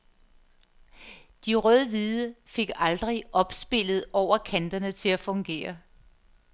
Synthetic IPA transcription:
d̥iʁœð̞ˠəʋiːðˠəfe̝ɡ̥ɑ̈ld̥ʁiʔɒ̽b̥sb̥e̝l̰ð̞̩ˠɒʊ̰ɐkʰænd̥ɐnət͡sʰe̝læfɔ̽ŋɡ̥e̝̰ːɐ

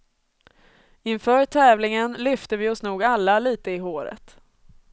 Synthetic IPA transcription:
ɪnfœːʈʰɛːvlɪŋənlʏft̪əvɪɔsnuːɡalːaliːt̪əɪɦoːɾə̰t̪

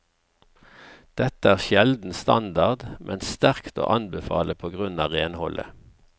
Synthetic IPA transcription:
d̪̥ɛt̪əæːʁʃjɛld̪n̩st̪ɑnd̪ɑʁd̪mʔɛnsst̪æʁkt̪o̰ːʔɑnbəfɑ̰ːləpʰoːɡʁʉnɑːʁeːnhɔlʔə̰

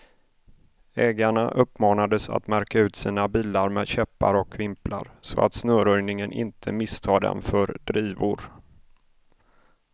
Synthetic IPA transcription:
ɛːɡaɳaʔɵpːmɑːnad̪əsa̰t̪mæɾkaʉ̟ːt̪siːnabiːlaɾmeːd̪ɕɛpːaɾɔkʰvɪmplʔa̰ɾsɔa̰t̪snœːɾɵjnɪŋənʔɪ̰nt̪ʰəmɪst̪ʰɑːd̪ɛ̰nfœɾɖɾiːvʊɾ

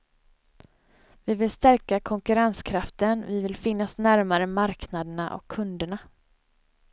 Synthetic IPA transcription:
vɪvɪlst̪æɾkakʰɔŋkɵɾanskʰɾaft̪ənvɪvɪlfɪnːasnæɾmaɾəmaɾknad̪əɳaʔɔ̰kʰːɵnd̪əɳa

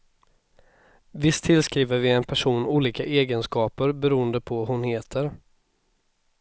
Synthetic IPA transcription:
vɪst̪ʰːɪlskɾiːvəɾvɪɛnpʰæʂuːnuːliːkaʔeːɡənskɑːpəɾbɛɾuːənd̪əpʰɔhʊnheːt̪ʰəɾ

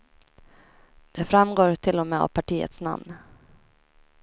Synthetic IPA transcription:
d̪̥ɛfɾamɡoːɾʈ̪ʰɪlːɔmɛːa̰vpʰaʈʰiːə̰t̪sna̰mn

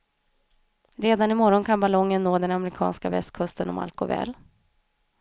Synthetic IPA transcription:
ɾeːd̪anɪmɔɾɔnkʰanbalɔŋːənːoːd̪ɛnamɛɾɪkʰɑ̰ːnskavɛ̰st̪̚kʰɵst̪ənɔma̰lkʊ̰vɛ̰ːl

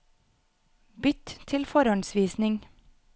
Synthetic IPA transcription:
bʏt̪t̪ʰɪlfɔɾɔnsʋiːsnɪŋ

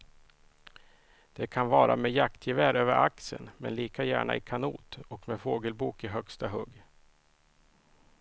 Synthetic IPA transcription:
d̪̥ɛkʰanvɑːɾa̰mɛjakt̪ʰjɪvæːɾøːvəɾʔaksə̰nmɛ̰nliːkajæ̰ːɳa̰ʔɪkʰanuːt̪ɔkmɛfoːɡəlbuːkɪɦœkst̪aɦɵɡ

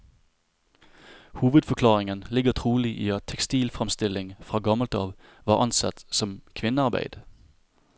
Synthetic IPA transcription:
huːʋəd̪fɔkʰlɑːʁɪŋənlɪɡət̪ʰʁuːliʔḭːɑt̪ʰːɛkst̪iːlfʁɛmst̪ɪlɪŋfʁɑːɡɑməld̪ɑːʋ | ʋɑːʔɑnsɑt̪sɔmkʰʋɪnəɑːbæ̰ɪd̪̥ə

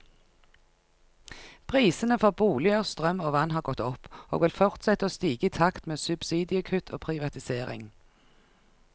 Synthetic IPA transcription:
pʰʁiːsənəfɔʁbuːlɪəʁst̪ʁœmoːʋɑnhɑːʁɡɔt̪ɔpo̰ːɡʋɪlfɔʁt̪sɛt̪əoːst̪iːɡəiːt̪ʰɑkt̪meːsʉb̥siːd̪ɪəkʰʉt̪ʰoːpʰʁɪʋɑt̪ɪseːʁɪ̰ŋ

